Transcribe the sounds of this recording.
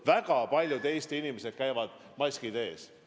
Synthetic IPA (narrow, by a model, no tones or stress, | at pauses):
væɡ̥ɑpɑlʲjut̪e̞jst̪inimesed̪̥̚kæjvɑd̪̥ | mɑsʲkid̪e̞ːs